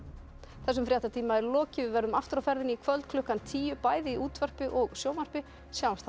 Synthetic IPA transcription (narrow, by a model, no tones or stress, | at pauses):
θɛs̬ːʏmfɾjaht̪at̪ʰiːmaɛɾlɔːcɪvɪvɛɾðʏmaft̪ɪɾawfɛɾðɪnikʰvœlt̪kʰlʏhkant̪ʰiːjʏpaːjðɪiuːt̪vœr̥pɪʔɔɣsjoːwmar̥pɪ | sjaːwast̪θa